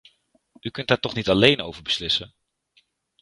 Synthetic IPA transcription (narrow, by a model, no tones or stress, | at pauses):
ykɵntdaːtɔχnitɑlejnowvəɹbəslɪsən